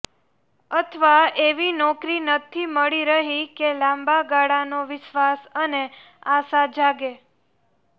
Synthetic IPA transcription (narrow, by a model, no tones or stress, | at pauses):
ət̪ʰəʋaeʋinɔkɾinət̪ʰiməɭiɾəɦikelãmbaɡaɽanoʋɪʃʋasəne | asad͡ʒaɡe